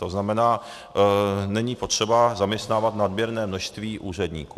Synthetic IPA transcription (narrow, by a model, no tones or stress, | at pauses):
t̪oznamɛnaː | nɛɲiːpo̞t̪r̝̥ɛbazamɲɛst̪naːvat̪nad̪bjɛɾnɛːmnoʃst̪viːʔuːr̝ɛdɲiːkuː